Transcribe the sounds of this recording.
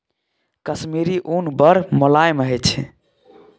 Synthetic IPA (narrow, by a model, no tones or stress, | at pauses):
kəsmiɾiʔunbəɾmolajmɦət͡ʃʰ